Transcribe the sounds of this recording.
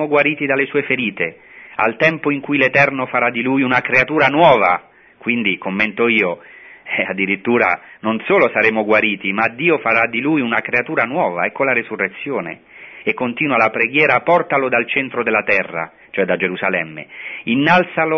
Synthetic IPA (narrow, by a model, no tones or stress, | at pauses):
oɡwaɾiːt̪id̪alesuːefeɾiːt̪e | a̰lt̪ɛmpoiŋkujlet̪ɛrnofaɾad̪ːilujunakɾeat̪uːɾanwɔːva̰ | kwind̪ikomːɛnt̪oiːo | ad̪ːiɾit̪ːuːɾa̰nonsoːlosaɾeːmoɡwaɾiːt̪imad̪ːiːofaɾad̪ːilujunakɾeat̪uːɾanwɔːvaɛkːolaɾesurːet̪sːjoːnḛ | ekːont̪iːnwalapɾeɡjɛːɾapɔrt̪alod̪alt͡ʃɛnt̪ɾod̪ɪlat̪ɛrːa̰ | t͡ʃoɛd̪ːad͡ʒeɾuzalɛmːḛinːalt̪salo